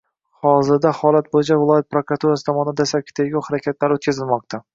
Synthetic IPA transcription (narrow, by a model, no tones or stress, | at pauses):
hɒzɪɾd̪ahɒlˠat̪̚bojɪd͡ʒavɪlˠɒjat̪̚pɾokɾat̪uɾasɪ̥t̪ʰɒmɒnɪd̪asakʲʰɪ̥t̪ʰeɡʲawhaɾakʲʰat̪laɾot̪kʰʲazɪlmɒq̚t̪ʰa